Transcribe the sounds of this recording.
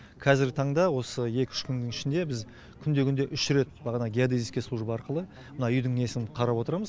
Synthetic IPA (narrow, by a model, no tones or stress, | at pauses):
qʰɑzɪɾɡʲɪt̪ʰɑɴd̪ɑwo̞səje̞kʲʏ̥ʃkʲʰʏnd̪ɪŋɪʃɪnd̪e̞bɪz | kʲʰʏnd̪e̞kʲʏnd̪e̞ʔʏʃɾe̞t̪̚bɑʁɑnɑɡʲijad̪iziskʲe̞sˠuʒbɑɾqəlˠə | mənɑʏjd̪ɪŋesɪqʰɑɾɑpwo̞t̪əɾɑməz